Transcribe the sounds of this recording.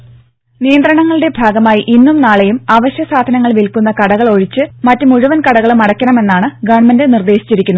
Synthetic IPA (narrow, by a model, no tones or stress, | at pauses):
nijɐnd̪rɐɳɐŋːɐɭɨɽe̞bʱaːɡɐmaːjiʔinːumnaːɭejumaːʋɐɕjɐsaːd̪ʱɐnɐŋːɐɭʋilkunːɐkɐɽɐɣɐɭo̞ɻit͡ɕːɨmɐtːumuɻuʋɐnkɐɽɐɣɐɭumɐɽɐkʲːɐɳɐme̞nːaːɳɨɡɐɳmɐndɨnird̪e̞ːɕi̥t͡ɕːiɾikʲːunːu